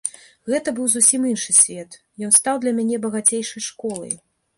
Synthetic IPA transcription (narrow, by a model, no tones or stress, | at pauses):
ɣɛt̪ɐbɨwzusʲiminʂɨsʲvʲɛt̪ | jɔnst̪awd̪lʲɐmʲanʲɛbɐɣat͡sʲejʂɐjʂkɔlˠɐ̰j